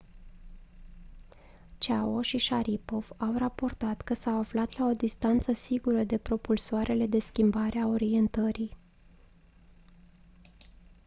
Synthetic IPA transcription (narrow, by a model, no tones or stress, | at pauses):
t͡ʃao̞ʃiʃaɾipo̞v̥awrapo̞rt̪at̪kəsawaflat̪lao̞d̪ist̪ant̪səsiɡuɾəd̪e̞pɾo̞pulsoaɾʔe̞le̞d̪e̞skʲimbaɾʔeao̞ɾie̞nt̪əɾi